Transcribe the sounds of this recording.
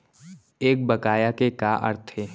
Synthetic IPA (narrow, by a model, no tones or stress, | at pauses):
eːk̚bɐkaːjakekaʔɐ̰ɾt̪ʰe